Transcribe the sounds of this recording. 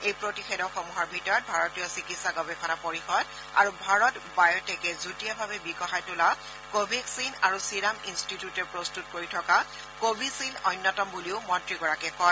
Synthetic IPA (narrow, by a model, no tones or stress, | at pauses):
ejpɹotixedɔxomuɦɔɹbʱitɔɹɔt̚bʱaɹɔtijɔsikitsaɡɔbɛkʰɔnapoɹixɔd | a̰ɹubʱaɹɔtbajɔtɛkɛzutijabʱabɛbiɡɔxajtʊla | kobʱiksinaɹusiɹaminstitjutɛpɹɔstutkoɹitʰɔka | kobʱisinɔjnːɔtɔmbuliʊmɔntɹiɡɔɹakɛkɔ